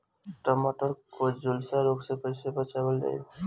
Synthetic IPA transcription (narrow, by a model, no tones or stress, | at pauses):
ʈəmaʈəɾkod͡ʒolsaɾoɡsepəɪsebət͡ʃabəld͡ʒa̰j